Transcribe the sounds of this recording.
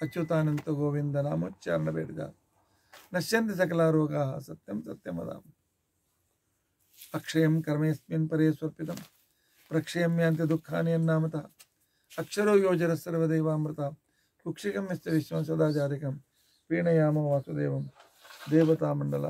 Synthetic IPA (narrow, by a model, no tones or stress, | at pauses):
ɐt͡ʃut̪aːnɐnt̪ɐɡoːʋind̪ɐnaːmo̰ːtːt͡ʃa̰ːɾɐɳɐbḛːʈid̪a̰ː | nɐʃjɐnt̪is̬ɐkɐlaːɾoːɡaːɦɐ̰sɐt̪jɐmsɐt̪jɐmɐ̰d̪a̰ːm | ɐkʂɐjɐmkɐɾmeːsminpɐɾeːsʋɐɾpit̪ɐm | pɾɐkʂɐjɐmjaːnt̪id̪ukʰːa̰ːnijɐnːaːmɐt̪ɐː | ɐkʂɐɾoːjoːd͡ʒɐɾɐsɐɾʋɐd̪ejʋaːmɾɪt̪aː | kukʂikɐmːɐst̪ɐʋiʃʋɐmsɐd̪aːt͡ʃaːɾikɐm | pɾiːɳɐjaːmoːʋaːsʋɐd̪ḛːʋɐm | d̪eːʋɐt̪aːmɐɳɖɐla̰